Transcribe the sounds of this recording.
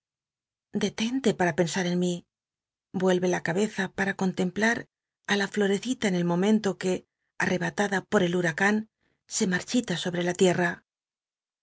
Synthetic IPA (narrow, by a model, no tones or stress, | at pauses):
d̪e̞t̪e̞nt̪e̞paɾape̞nsaɾe̞nmi | bwe̞lβe̞lakaβe̞θapaɾako̞nt̪e̞mplaɾ | alaflo̞ɾe̞θit̪aene̞lmõ̞mẽ̞nt̪o̞ke̞ | arʔe̞βat̪aðapo̞ɾe̞luɾakan | se̞maɾt͡ʃit̪aso̞βɾe̞lat̪je̞ra